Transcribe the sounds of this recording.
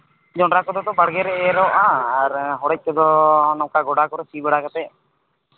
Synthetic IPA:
d͡ʒɔɳɾakɔd̪ɔt̪ɔbaɽɡɛɾɛʔɛɾɔʔãaɾɦɔɽɛc̚kɔd̪ɔnɔwkaɡɔɽakɔɾɛsibɛɽakat̪ɛ

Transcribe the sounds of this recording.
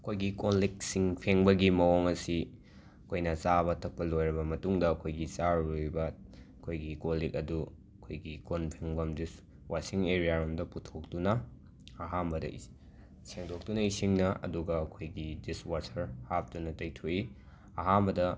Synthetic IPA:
ɐkʰojɡikonlik̚siŋpʰeŋbɐɡimɐoŋɐsi | ɐkʰojnɐt͡ʃaβɐtʰɐk̚pɐlojɾɐbɐmɐtuŋdɐːkʰojɡit͡ʃaojbɐɐkʰojɡikolikɐdu | ɐkʰojɡikonpʰeŋbɐmdis | wasiŋeɾijaɾomdɐputʰok̚tunɐː | ɦambɐdɐ̰i | seŋdok̚tunɐisiŋnɐʔɐ̰duɡɐːkʰojɡidiswatʰɐɾhap̚tunɐtɐjtʰoʔi | ɐɦambɐdɐ

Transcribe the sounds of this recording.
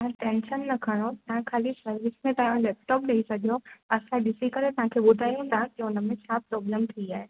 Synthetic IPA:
ɐɾʈẽːnʃənːɐkʰəɽ̃ot̪ɐɦãkʰaːlisɐɾʋɪsmẽʈãːlɛːp̚ʈɔːpɗɐisɐɡʱijoɐsãɖɪsikəɾet̪ɐɦãkʰebʊd̪ʱaːjɦũd̪ʱakeʊnəmẽt͡ɕʰapɾɔːbləmt̪ʰiiaːɦe

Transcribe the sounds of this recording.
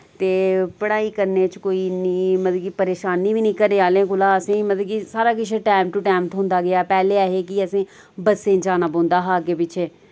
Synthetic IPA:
t̪eːpəɽaːiːkəɾneːt͡ʃkoːiːniːmət̪lːɡiːpəɾeːʃaːniːʋiːnĩːkəɾeːaːlẽːkʊlaːəsĩːmət̪ləkisaːɾaːk̬ɪt͡ʃʰeʈaːɪmʈuʈaːmt̪ɦʊ̃ːnd̪aːɡɪaːpɛːleːaːɦeːkiəsĩː | bəsẽːd͡ʒaːnaːbõːnd̪aːɦaːɡeːpɪt͡ʃʰeː

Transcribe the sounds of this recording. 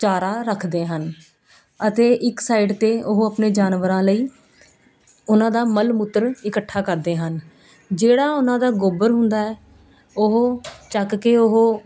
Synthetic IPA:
t͡ʃaːɾaːɾəkʰd̪eːɦən | ət̪eːʔɪksaːiɖt̪eːʊɦoːapneːd͡ʒaːnʋəɾãːləiː | ʊnãːd̪aːməlmʊt̪ːəɾɪkəʈʰːaːkəɾd̪eːɦən | d͡ʒeːɽaːʊnãːd̪aːɡoːbəɾɦʊnd̪aːɛː | ʊɦoːt͡ʃəkkeːʊɦoː

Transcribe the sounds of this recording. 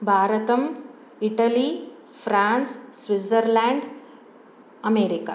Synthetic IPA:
bʱaːɾɐt̪ɐm | iʈɐli | fʰɾaːnssʋisɐɾlaːɳɖ | ɐmeːɾika

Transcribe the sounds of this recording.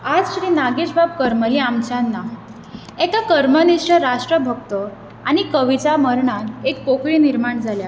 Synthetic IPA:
ad͡zɕɾinaɡiɕbab̚kəɾməliamt͡ɕanːa | ekakəɾməniʂʈəɾaʂʈɾəbʱək̚t̪ə | aɽ̃ikəʋit͡saməɾɳaekpokɭiːniɾmaɳd͡zʱalja

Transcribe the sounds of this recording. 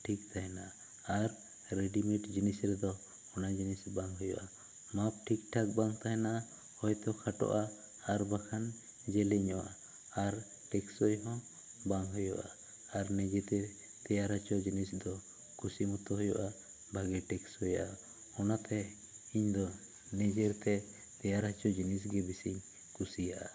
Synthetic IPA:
ʈʰik̚t̪ʰaɦɛnaa | aɾ | ɾeɖimɛʈd͡ʒinisɾɛd̪ɔ | ɔnad͡ʒinisbaŋɦɔjɔ̰ʔa | map̚ʈʰikʈʰak̚baŋt̪aɦɛnaʔa | hɔjt̪ɔkʰaʈɔ̰ʔaː | ɾbakʰan | d͡ʒɛlɛɲɔʔa | aɾ | ʈɛksɔjɦɔ̃ | baŋɦɔjɔ̰ʔa | aɾnɛd͡ʒɛt̪ɛ | t̪ɛjaɾat͡ʃɔd͡ʒinisd̪ɔ | kusimɔt̪ɔɦɔjɔʔa | bʱaɡɛʈɛksɔjaʔa | ɔnat̪ɛ | iɲd̪ɔ | nɛd͡ʒɛɾt̪ɛ | t̪ɛjaɾat͡ʃɔd͡ʒinis̬ɡɛbisiɲ | kusijaʔa

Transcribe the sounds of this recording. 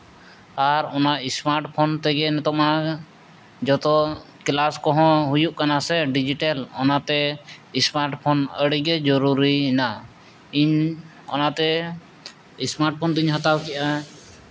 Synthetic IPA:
aɾɔnaismaɾʈpʰɔnt̪ɛɡɛnɛt̪ɔma | d͡ʒɔt̪ɔ | klaskɔɦɔ̃ɦujuʔkanasɛɖid͡ʒiʈalɔnat̪ɛismaɾʈpʰɔnəɽiɡɛd͡ʒɔɾuɾiɦina | iɲ | ɔ̰nat̪ɛ | ismaɾʈ̚pʰɔnt̪iɲɦɔt̪awkɛʔa

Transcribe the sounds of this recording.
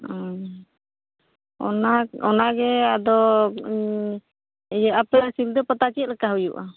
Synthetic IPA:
ɔ | ɔ̰naɔnaɡɛad̪ɔ | jəʔapɛasild̪ɔpət̪at͡ʃit̪̚lɛkaɦujuʔa

